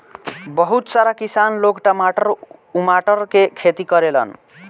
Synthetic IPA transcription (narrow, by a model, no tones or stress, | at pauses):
bʌɦut̪saɾakisanlokʈʌmaʈʌɾumaʈʌɾkekʰet̪ikʌɾelʌ̰n